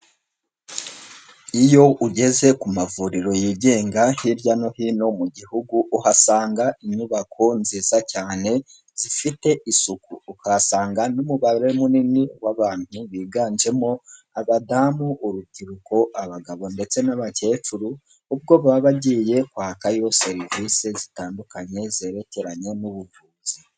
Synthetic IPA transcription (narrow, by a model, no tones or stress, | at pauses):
ijo̞ʔuɟe̞ze̞kumavuɾiɾo̞jiːɟe̞ːŋɡahiɾjano̞hino̞muɟihuɡuʔuhasaːŋɡaiɲuβakʰo̞nziːzacaːne̞ | z̥ifite̞ʔisukuːhasaːŋɡanumuβaɾe̞muniniwaβaːn̥huβiːɡaːnd͡ʒe̞mo̞ | aβadamuʔːɾuɟiɾuko̞ʔaβaɡaβo̞nde̞t͡se̞naβace̞ːt͡ʃuɾuː | b̚ɡo̞βaːβaɟiːje̞kwaːkajo̞se̞ɾivise̞zitaːndukaɲe̞ze̞ːɾe̞ce̞ɾaɲe̞nuβuvuːz̥i